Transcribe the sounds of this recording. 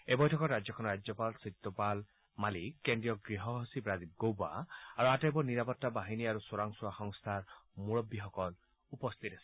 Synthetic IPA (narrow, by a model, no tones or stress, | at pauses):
ebɔjtʰɔkɔɾad͡ʒjɔkʰɔnɔɾad͡ʒjɔpalsit̪ːɔpal | malikːendijɔɡɾiɦɔɦɔsibɾad̪ib̚ɡowba̰aɾuatajbɔniɾapɔt̪ːabaɦiniaɾusoɾaŋsuaxɔŋst̪ʰaɾmuɭɔbːiɦɔkɔl | upɔst̪ʰitesi̥